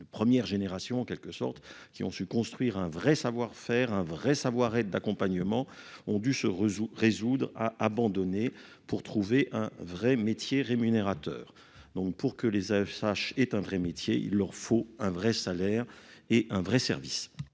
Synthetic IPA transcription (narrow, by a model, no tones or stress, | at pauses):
d̪əpχəmjɛʁʒeneʁasjɔ̃ɑ̃kɛlkəsɔ̰ʁt̪ | kʲiɔ̰̃sykɔ̃st̪χɥiʁɛ̃vʁɛsavwaʁfɛːʁɛ̃vʁɛsavwaʁɛd̪̚ːakɔ̃paɲəmɑ̃ɔ̃d̪ysəʁezud̪ʁa̰ʔabɑ̃d̪ɔne | puʁt̪χuveʔɛ̃vʁɛmet̪jeʁemyneʁat̪œ̰ːʁ | d̪ɔ̃k̚puʁkəlezasaʃɛt̪ɛ̃vʁɛmet̪jeḭlːœʁfoɛ̃vʁɛsalɛʁeʔɛ̃vʁɛsɛ̰ʁvḭs